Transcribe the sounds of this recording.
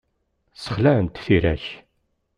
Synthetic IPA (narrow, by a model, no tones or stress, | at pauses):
sə̥χlænt̪θiɾæ̰ç